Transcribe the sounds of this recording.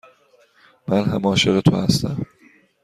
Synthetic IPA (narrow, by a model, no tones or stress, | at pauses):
mænɦæmɒːʃe̞ɣet̪ʰohæ̰st̪æm